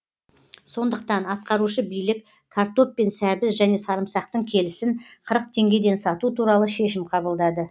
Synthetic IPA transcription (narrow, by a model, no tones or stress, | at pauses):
so̞nd̪əqt̪ɑnɑt̪̚qɑɾuʃəbijlɪk | kʰart̪o̞p̚pːe̞nsæbɪsʒæne̞sɑɾəmsɑq̚t̪əɴkʲʰe̞lɪsɪnqʰəɾəq̚t̪ʰe̞ŋɡʲe̞d̪e̞nsɑt̪ut̪ʰuɾɑlˠəʃe̞ʃɪmqʰɑbəlˠd̪ɑd̪ə